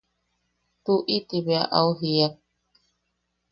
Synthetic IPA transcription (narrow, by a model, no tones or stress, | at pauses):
t̪uʔit̪iβea̰ʔauɦiak